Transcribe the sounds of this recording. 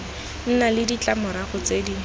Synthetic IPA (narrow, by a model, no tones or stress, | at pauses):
n̩nalɪdit͡ɬʼamʊɾaχʊt͡sedi